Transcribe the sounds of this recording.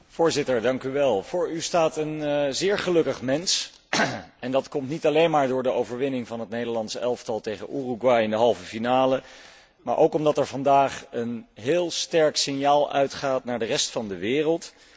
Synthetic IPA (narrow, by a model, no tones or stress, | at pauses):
v̥ʊːɹzɪtəɹdɑŋkyʋɛlˠvʊːɹystaːtənzɪːɹχəlɵkəχmɛns | ɛndɑtkɔmtnitɑlejnmaːɹdʊːɹdəowvəɹʋɪnɪŋvɑnɦətnejdəɹlɑnsəʔɛlˠftɑlˠtejχə̰nʔuruɡwɑjɪndəɦɑlˠvəfinaːlə | ma̰ːɹʔowkɔmdɑtɛɹvɑndaːχənɦɪːlˠstɛɹksɪnjaːlˠœ̰ɥtχaːtnaːɹdərɛstfɑndəʋɪːrəlˠt